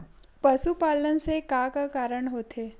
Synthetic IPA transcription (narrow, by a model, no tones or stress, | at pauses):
pɐʃupaːlənsekãkakaːɾəɽ̃ɦoːt̪eː